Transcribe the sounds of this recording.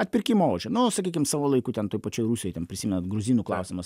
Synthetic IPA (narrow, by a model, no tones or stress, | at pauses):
ɐt̪ʲpʲɪɾʲkʲiːmooːʒʲɛnʊoːsɐkʲiːkʲɪmsɑːʋoːlˠɐɪkuːt̪ʲɛnt̪oːjpɐt͡ʃʲoːjɾuːsʲoːjt̪ʲɛnpʲɾʲɪsʲiːmʲɛnɐt̪ɡɾʊzʲiːnuːklˠɐʊsʲɪmɐs